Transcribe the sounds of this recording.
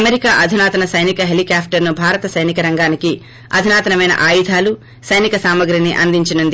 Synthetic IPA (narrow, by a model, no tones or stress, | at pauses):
ɐmeɾikaːʔɐd̪ʱinaːt̪ɐnɐsɐjnikɐɦelikaːpʰʈɐɾnubʱaːɾɐt̪ɐsɐjnikɐɾɐŋɡaːniki | ɐd̪ʱinaːt̪ɐnɐmɐjnɐ̰ʔaːjid̪ʱaːlu | sɐjnikɐsaːmɐɡɾɐniʔɐnd̪iɲt͡ʃinund̪i